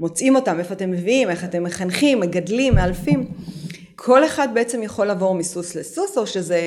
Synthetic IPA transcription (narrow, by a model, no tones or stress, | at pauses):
mo̞t͡sʔimo̞tame̞foate̞mːeviime̞χate̞mːeχanχimːeɡadlimːealfim | kʰo̞le̞χad̚beet͡se̞mjaχo̞lavo̞ʁmisuslesuso̞ʃeze